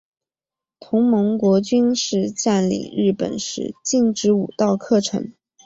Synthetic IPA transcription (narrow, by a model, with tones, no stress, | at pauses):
t̪ʰʊ˧˥ŋmɤ˧˥ŋkwɔ˧˥t͡ɕy˥nʂɻ̩˥˧t͡ɕa˥˩nlḭ˨˩ɻɻ̩˥˩pə̰˨˩nʂɻ̩̰˧˥t͡ɕi˥˩ŋʈ͡ʂɻ̩˧˥u˨˩t̪ɑ˥˩˧ʊkʰɤ˥˩ʈ͡ʂʰɤ̰˧˥ŋ